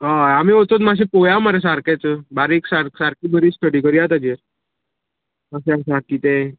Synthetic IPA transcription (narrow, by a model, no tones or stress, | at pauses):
ɦaamiot̪ot̪maɕ̬ĩpojaʋmaɾas̬aɾkat͡səbaɾeksaɾsaɾkibəɾiːsʈəɽikəɾiat̪ad͡ʑeɾ | aɕeasaɾkit̪e